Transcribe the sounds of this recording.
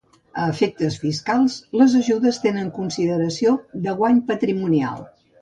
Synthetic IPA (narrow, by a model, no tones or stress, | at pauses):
əːfek̚t̪əsfiskalˠsləzəʒuðəst̪enəŋkunsiðəɾəsiod̪əɣwaɲpət̪ɾimunia̰lˠ